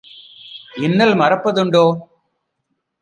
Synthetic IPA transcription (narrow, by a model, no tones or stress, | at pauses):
ɪnːɐlmɐrɐpːɐðɯɳɖoː